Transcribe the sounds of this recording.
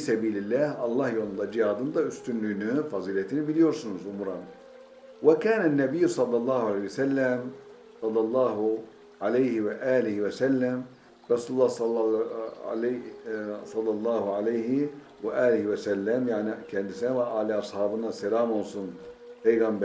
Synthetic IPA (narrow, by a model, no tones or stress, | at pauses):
fisæbiːlɪlːæːhʔɑlˤːɑːhjond̪ɑd͡ʒɪjɑːd̪ɯnd̪ɑyst̪ynlinɪfɑzˤiːlæt̪inɪbilijoɾsunʊzʔʊmɾˤɑn | wakaːnanːæbɪjːsˤɑlːɑlˤːɑːhʕalejwsælːæm | sˤɑlːɑlˤːɑːɦ | ʕalejhɪwaʔaːlɪhwæsælːæm | ɾˤɑsuːlulːɑːhs | l | sˤɑlːɑlˤːɑːhuʕalejhɪ | waʔaːlɪhwæsælːæmjaʕnɪkʰand̪ɪsawaaliɑsˤhɑːbɨnɑsɪlaːmonsunpejɣambæ